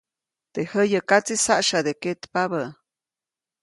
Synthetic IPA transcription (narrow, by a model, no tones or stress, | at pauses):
t̪ehəjəkat͡sisaʔʃad̪eket̪paβə